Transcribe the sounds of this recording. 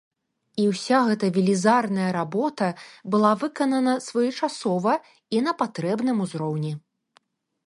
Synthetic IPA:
iwsʲaɣɛt̪ɐvʲilʲizarnɐjɐɾabɔt̪ɐbɨlˠavɨkɐnɐnɐsvɔjɛt͡ʂasɔvɐ | inɐpat̪ɾɛbnɨmuzɾɔwnʲi

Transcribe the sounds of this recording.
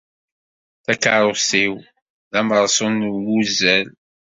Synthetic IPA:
θækaɾˤosiw | ðæməɾˤsˤonwuzæl

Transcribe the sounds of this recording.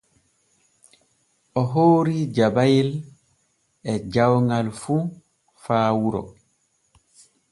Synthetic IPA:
ʔɔɦoːɾid͡ʒabajil | ɛd͡ʒawŋɡalfuː | faːwuɾɔ̰

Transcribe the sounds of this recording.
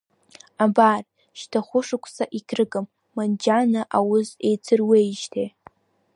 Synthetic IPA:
abar | ʃtʰaχʷʊʂɨkʷʰʼsaʔikʲʰrɨɡɨmː | and͡ʒanaʔawʊze̞jt͡sʰɨrwejʒtʰej

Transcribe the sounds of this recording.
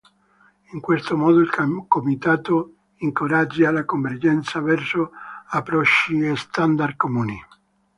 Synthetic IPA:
iŋkwest̪omɔːd̪oilkomit̪aːt̪o | iŋkoɾad͡ʒːalakoɱverd͡ʒɛnt̪savɛrsoapːɾɔt͡ʃːiest̪and̪arkomuːni

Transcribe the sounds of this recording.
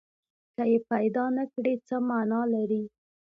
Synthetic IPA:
kəjepajd̪ɑnakɽet͡səmanɑlaɾi

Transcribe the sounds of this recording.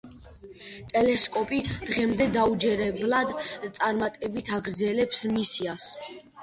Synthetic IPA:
t̪ʼɛlɛskʼɔpʼid̪̥ʁɛmd̪ɛd̪aud͡ʒɛɾɛblad̪t̪sʼaɾmat̪ʼɛbit̪ʰaɡɾd̪zɛlɛpsmisias

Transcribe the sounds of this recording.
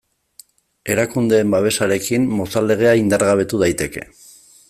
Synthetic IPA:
e̞ɾakund̪e̞ːmbaβe̞saɾe̞kimːo̞sale̞ɣ̞e̞aind̪aɾɣaβ̞e̞t̪uð̞ajt̪e̞ke̞

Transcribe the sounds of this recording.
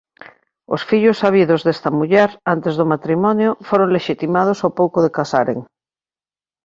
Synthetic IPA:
o̰sfiʎosaβ̞iðozðest̪ɐmuʎɛɾant̪ezðomat̪ɾimɔnjofoɾoŋleʃit̪imað̞osawpowkoðekasaɾḛŋ

